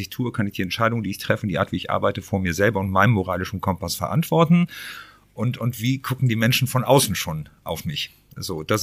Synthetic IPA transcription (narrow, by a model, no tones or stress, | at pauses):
ɪçtʰuːəkʰanɪçd̥iːɛntʃaɪɾʊŋəndiːɪçtʁ̥ɛfəndiʔa̰ɐtv̥iːɪçʔa̰ɐbaɪtəfoːɐmiːɐzɛlbɐʊntmaɪnəmoʁaːlɪʃn̩kʰɔmpasfɛɐʔa̰ntv̥ɔɐtn̩ | ʔʊntʊntv̥iːɡʊkŋ̩diːmɛnʃn̩fɔnʔaʊsn̩ʃoːnʔa̰ʊfmɪç | z̥oːd̥as